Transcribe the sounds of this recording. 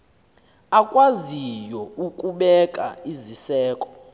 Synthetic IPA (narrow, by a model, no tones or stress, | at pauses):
akʼwazijɔukʼuɓɛkʼa̰izisɛːkʼɔ̥